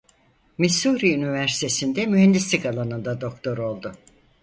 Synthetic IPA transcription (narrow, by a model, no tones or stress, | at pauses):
misuɾiynivæɾsi̥t̪ʰe̞sind̪ɛmyɦɛnd̪islikalˠanɯnd̪ad̪o̞kt̪ʰo̞ɾo̞lˠd̪ʊ